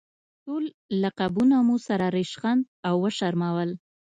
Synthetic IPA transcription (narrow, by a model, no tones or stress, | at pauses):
ʈolː | aqabunamusaɾaɾeʃɣand̪awːəʃaɾmawəl